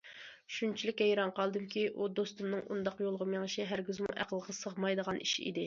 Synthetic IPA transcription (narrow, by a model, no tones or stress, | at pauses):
ʃunt͡ʃʰilɪkʲːɛjɾɑɴqʰɑlˠd̪ɨmkʲiʔud̪ost̪umnɨŋṵnd̪ɑqjolˠʁəmjeŋʃʰɛɦæɾɡʲyzmṵʔæ̰qəlˠʁɑsəʁmɑjd̪əʁɑniʃḭd̪ɪ